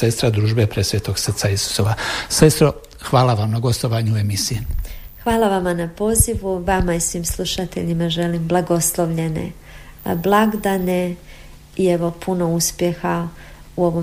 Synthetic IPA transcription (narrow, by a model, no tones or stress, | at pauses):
e̞st̪ɾad̪ɾuːʒbe̞pɾesʋeːt̪o̞ɡsər̩t̪saisu̥so̞ːʋase̞st̪ɾo̞ | xʋaːlaʋamnaɡo̞st̪oʋaːɲue̞misije | xʋaːlaʋamanapo̞ːziʋuʋamaisʋiːmslˠuʃat̪ḛʎimaʒe̞limblˠaɡo̞slˠo̞ʋʎe̞nḛ | blˠaɡd̪ane̞ | ieʋo̞pʰuno̞uspjexa | uo̞ʋo